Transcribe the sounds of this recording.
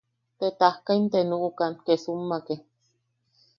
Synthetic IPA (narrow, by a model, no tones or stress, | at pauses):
t̪et̪ahkaint̪enuʔukankesumːake